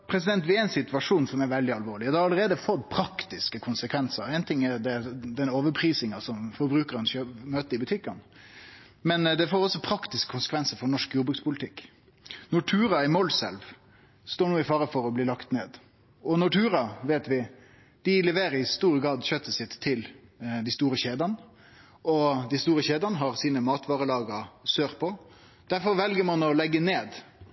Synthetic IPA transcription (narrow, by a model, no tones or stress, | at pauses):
pʰɾɛsɪd̪ɛnt̪ʋɪæɪnsɪt̪ʉʋɑʂuːnsɔmɛɾʋɛld̪ɪɑlʋoːɾɭɪhɑd̪ɛɑɾɑləɾeːd̪əfɔt̪ːpʰɾɑkt̪ɪskəkʰʊnsəkʰʋɛnsəɾæɪnt̪ʰɪŋːæɾd̪ɛd̪ɛnoːʋəɾpʰɾiːsɪŋɑsɔmfɔɾbɾʉːkəɾnçømøːt̪əɪbʉt̪ʰɪkːɑn | mɛnd̪ɛfoːɾɔsːɔpʰɾɑkt̪ɪskə̥kʰʊnsə̥kʰʋɛnsəfɔɾnɔʂkjuːbʉkspʰʊlt̪ʰɪkː | nɔʈʰʉːɾɑɪmɔlsɛ̰lʋ | st̪oːɳuːɪfɑːɾəfɔɾɔbliːlɑkt̪neːd̪ | ɔnɔʈʰʉːɾɑʋeːt̪ʋɪ | d̪̥ɪlɛʋeːɾəɾɪst̪uːɾəɡɾɑːd̪ɕøːt̪ːəsɪt̪ʰːɪld̪ɪst̪uːɾəçeːd̪ɑn | ʔɔd̪ɪst̪uːɾəçeːd̪ɑnəɦɑɾsiːnəmɑːt̪ʋɑːʁəlɑːɡəəsøːʁpʰɔ | d̪̥æɾfɔɾʋɛlɡəɾmɑnɔlɛɡːəneːd̪